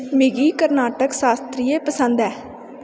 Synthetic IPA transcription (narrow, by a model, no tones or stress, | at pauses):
mɪɡiːkəɾnaːʈəksaːst̪ɾiːeːpəsənd̪ɛː